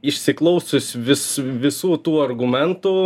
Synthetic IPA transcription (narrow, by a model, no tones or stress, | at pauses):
ɪʃʲsʲɪklˠɐʊsʊsʲʋʲɪsʋʲɪsuːt̪uːɐrɡʊmʲɛnt̪ʊ